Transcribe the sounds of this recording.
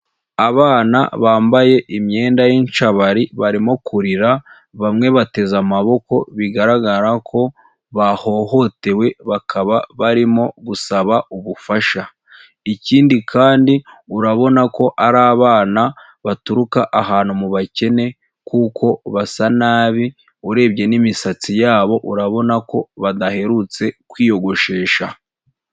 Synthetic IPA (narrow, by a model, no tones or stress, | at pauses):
aβaːna̰βaːmbaje̞ʔimɲe̞ːndajinʃaβaɾiβaɾimo̞kʰuɾiɾa | βamŋe̞βate̞zamaβo̞ko̞βiɡaɾaɡaɾakʰo̞ | βaho̞ho̞te̞we̞βakʰaβaβaɾimo̞ɡusaβauβufaʃa | iciːndikʰaːndiuɾaβo̞nako̞ʔaɾaːβaːna | βatuɾukaʔaɦaːnhumuβace̞ne̞ | kuːkʰo̞βasanaːβi | uɾe̞ːβɟe̞nimisat͡sijaːβo̞ʔuɾaβo̞nako̞βadahe̞ɾut͡se̞kwiːjo̞ɡo̞ʃe̞ːʃa